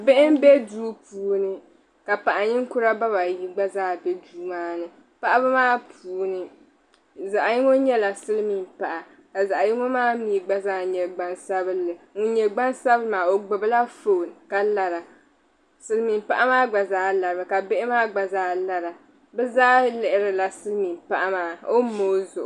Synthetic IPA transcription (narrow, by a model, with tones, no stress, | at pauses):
bɪ˦ʔɪ˦m˦bɛ˦duː˦puː˨˦nɨ˨ | ka˨pa˨ʔa˨ɲɪ˦ŋ˦kʊ˦ɾa˦ba˦βa˨ji˦ɡ͡ba˦zaː˦˨bɛ˦duː˦maː˦nɨ˨ | pa˦ʔa˦bɨ˦maː˦pʰuː˨˦nɨ˨ | za˨ʔa˨ji˦ŋo˦ɲɛ˦la˨sɨ˦lmi˨mpa˨ʔa˨ | ka˨za˨ʔa˨ji˦ŋo˦maː˦miː˨ɡ͡ba˦zaː˦ɲɛ˨ɡ͡ba˦nsa˦bɨ˦lːɨ˨ŋʊ˦ɲɛ˨ɡ͡ba˦nsa˦bɨ˦maː˨o˨ɡ͡bʊ˨bɨ˦la˦fo˨n˨ka˦la˨ɾa˨ | sɨ˦lmi˨m˦pa˦ʔa˦maː˦ɡ͡ba˨zaː˦la˨ɾa˨ka˨be˦ʔɪ˦maː˦ɡ͡ba˨zaː˦la˨ɾa˨ | bɛ˦zaː˦lɛ˨ʔɪ˨ɾɨ˨la˨sɨ˦lmi˨mpa˦ʔa˦maː˦o˦mo˦zʊ˨ʔʊ˨